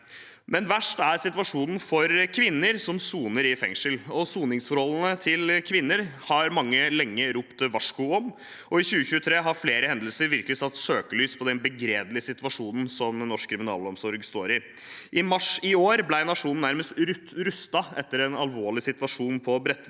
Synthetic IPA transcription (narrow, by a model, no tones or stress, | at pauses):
mɛnʋæʂʈæɾsɪt̪ʋɑʂuːnn̩fɔɾkʰʋɪnːəɾsɔmsuːnəɾɪfɛ̰ŋʂəlɔsuːnɪŋsfɔɾhɔln̩ət̪ʰɪlkʰʋɪnːəɾhɑɾmɑŋːəlɛŋːəɾuːpt̪ʋɑʂkʊɔm | ɔɪçʉːəçʉːət̪ʰɾeːɦɑɾfleːɾəhɛnd̪əl̩səɾʋɪɾkəlɪsɑt̪søːkəlyːspʰɔd̪ɛnbəɡɾeːd̪lɪəsɪt̪ʋɑʂuːnn̩sɔmnɔʂkʰːɾɪmɪnɑ̰ːlɔmsɔɾɡst̪o̰ːɾɪ | ʔɪmɑʂɪoːɾblæɪnɑʂuːnn̩ːæɾməst̪ɾʉtɾʉst̪ɑʔɛt̪ːəɾɛnɑlʋoːɭɪsɪt̪ʋɑʂuːnpʰɔbɾɛt̪ː